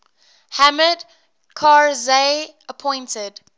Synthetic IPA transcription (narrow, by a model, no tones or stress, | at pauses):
hæməd | kʰaɹze | əpʰɔ̃ɪ̃ntəd̥